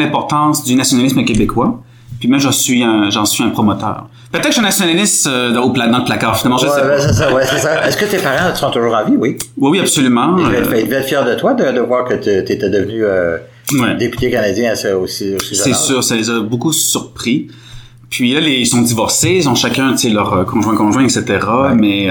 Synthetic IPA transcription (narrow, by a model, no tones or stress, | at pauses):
lɛ̃pɔʁt̪ɑ̃sd̪ynasjɔnalɪsməkʲebekʰwa | pɥimɛ̃ʒɑ̃sɥiɛ̃ʒɑ̃sɥiɛ̃pχɔmɔt̪œ̰ːʁ | pʁt̪ɛtkʃɛ̃nasjɔnalɪst̪ød̪̃oplad̪ɑ̃ləplakaːʁfinalmɑ̃ʒəsɛebɛsesawɛsesaɛskət̪epaʁɑ̃t̪sɔ̃t̪uʒuːʁɑ̃viwiwiwiapsolymɑ̃vɛfɛt̪vɛɛt̪fjɛʁd̪ət̪wad̪əd̪əvwaːʁkət̪yt̪yet̪ɛd̪əvnyø | wɛd̪epy̥t̪ekanad͡z̪jɛ̃asɛosiosisɛsyːʁsalezabokusyʁpχi | pʰɥilaleilsɔ̃d̪ivɔʁseilzɔ̃ʃakʲɛ̃t̪ʲjɛ̃lœʁəkɔ̃ʒwɛ̃kɔ̃ʒwɛ̃ɛkset̪eʁamɛ